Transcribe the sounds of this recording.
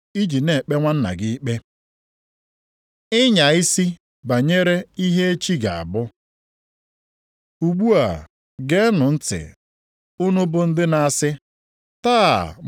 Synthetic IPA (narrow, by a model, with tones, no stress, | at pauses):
i˦d͡ʒi˨ne˨k͡pe˦ŋʷa˦n̩˦na̰˨ɡɪ˦i˦k͡pe˦ | ɪ˦ɲa˨ɪ˦si˦ | ba˨ɲe˦ɾe˦i˦ɦe˦e˦t͡ʃi˦ɡa˨a̰˨bʊ˦ | u˨ɡ͡bu˦a̰˨ | ɡe˦nʊ˨n̩˦tɪ̰˨ | ʊ˦nʊ˦bʊ˦n̩˦dɪ˦na˦a˦sɪ˦ | taː˦˨